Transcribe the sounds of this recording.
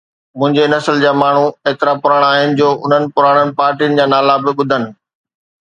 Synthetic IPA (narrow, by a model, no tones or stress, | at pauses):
mʊ̃ɦɪ̃ɲd͡ʑenɐsəld͡ʑaːmaːɳ̤ueːt̪ɪɾapʊɾaːɽ̃aːɦɪnɪ̆d͡ʑoːʔʊn̤ənɪ̆pʊɾaːɽ̃ənɪ̆paːɾʈijʊnɪ̆d͡ʑaːnaːlabɪɓʊd̪ʱənɪ̆